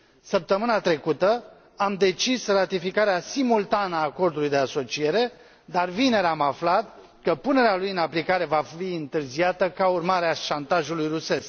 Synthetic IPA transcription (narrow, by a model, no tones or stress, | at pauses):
səp̚t̪əmɨnat̪ɾe̞kut̪ə | amd̪e̞t͡ʃisrat̪ifikaɾeasimult̪anəaːko̞rd̪ulujd̪e̞aso̞t͡ʃije̞ɾe̞ | d̪arvine̞ɾamaflat̪̚ | kəpune̞ɾealujɨnaplikaɾe̞vafiɨnt̪ɨrziat̪əkaurmaɾeaʃant̪aʒulujruse̞sk